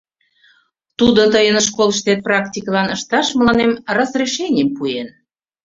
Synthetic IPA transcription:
t̪ud̪ot̪əjənʃ̬koləʃt̪et̪̚prɑktʲikəlɑnəʃt̪ɑʃməlɑnemrɑzreʃenʲempuen

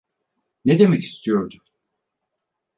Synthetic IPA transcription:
ned̪e̞mɛci̥st̪ʰijo̞ɾd̪u

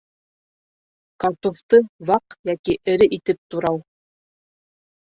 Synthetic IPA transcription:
kɑt̪oft̪ɤβɑqjækiʔɘ̆ɾɘʔit̪ɘp̚t̪uɾɑw

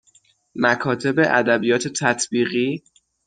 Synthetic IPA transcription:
mækʰɒːt̪ʰe̞be̞ʔæd̪æbijɒːt̪ʰe̞t̪ʰæt̪ʰb̥iːɣiː

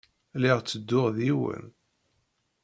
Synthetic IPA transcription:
liʁt͡sːəd̪ːʊʁðiwə̰n

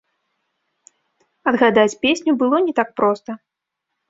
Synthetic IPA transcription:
ɐd̪ɣad̪at͡sʲpʲesʲnʲubɨlˠɔnʲɛt̪ak̚pɾɔst̪ɐ

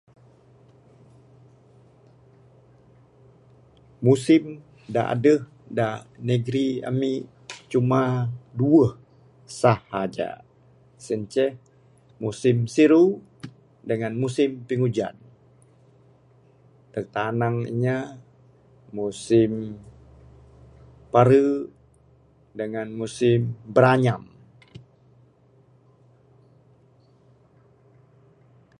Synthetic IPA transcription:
musɪm | da̰ʔa̰dəh | danəɡɾiə̰mi | t͡ʃumaduəh | sahːad͡ʒa̰ | səɲt͡ʃɛh | musɪmsiɾu | dəŋanmusɪmpiŋud͡ʒa̰n | t̪ərt̪anaŋḭɲa | musɪm | paɾə | dəŋanmusɪmbəɾaɲam

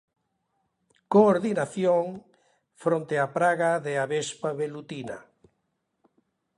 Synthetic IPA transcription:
koːɾðinaθjoŋ | fɾõnt̪eapɾaɣaðeaβespaβelut̪ina̰

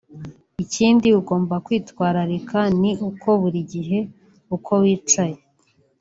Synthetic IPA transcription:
iciːndiuɡo̞ːmbakwiːtwaːɾaɾikʰaniʔukʰo̞βuɾiɟiɦe̞ | ukʰo̞wiːt͡ʃaje

